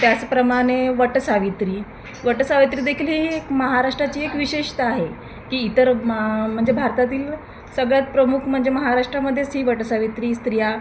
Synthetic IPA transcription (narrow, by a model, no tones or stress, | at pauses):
t̪jat͡spɾəmaɽ̃eʋəʈsaʋit̪ɾiː | ʋəʈsaʋit̪ɾiːd̪ekʰiːlɦiekməɦaɾaʂʈɾat͡ɕiːekʋiɕeʂt̪aaɦe | kiːt̪əɾm̤əɳd͡zebʱaɾt̪at̪iːl | səɡɭjat͡s̪pɾəmukʰm̤əɳd͡zeməɦaɾaʂʈɾaməd̪ʱːjet͡sɦiːʋəʈəsaʋit̪ɾiːst̪ɾija